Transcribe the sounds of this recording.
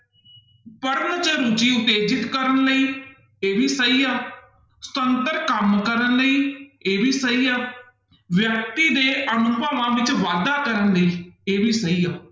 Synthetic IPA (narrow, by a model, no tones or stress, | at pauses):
pəɾənt͡ʃəɾut͡ʃiːʊt̪eːd͡ʒɪt̪kəɾənləiː | eːʋiːsəiːaː | st̪ənt̪əɾkəmkəɾənləiːeːʋiːsəiːaː | ʋjək̚t̪iːd̪eːʔənʊpaːʋãːʋɪt͡ʃʋaːd̪aːkəɾənləiːeːbiːsəiːaː